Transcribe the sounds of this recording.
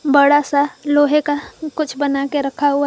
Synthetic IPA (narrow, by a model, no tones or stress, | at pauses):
bɐɽasaloːɦekakʊt͡ʃʰbɐnakeɾɐkʰaɦʊa